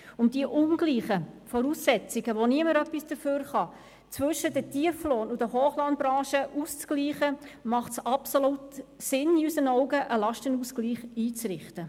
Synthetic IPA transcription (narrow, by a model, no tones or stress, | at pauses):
ʊmd̥iəʔʊnɡ̥liːχəfɔɾuːsːɛt͡siɡ̥əʋoniəməɾœpːisd̥əføːɾχɑ | t͡sʋɵʃədətiəfloːnudəɦoːχlɑnbɾɑ̃ːʃəʔuːst͡skliːχəmɑχtsɑpsolutsɪniysənɔʊɡəʔəlɑʃtənuːskliːχiːt͡srɪχtə